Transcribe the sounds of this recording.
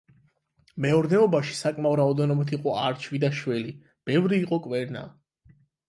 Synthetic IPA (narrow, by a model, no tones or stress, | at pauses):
mɛɔɾnɛɔbaʃi̥sakʼmauɾaɔd̪ɛnɔbit̪ʰiqʼɔaɾt͡ʃʰvid̪aʃwɛli | b̥ɛvɾiːqʼɔkʼwɛɾna̰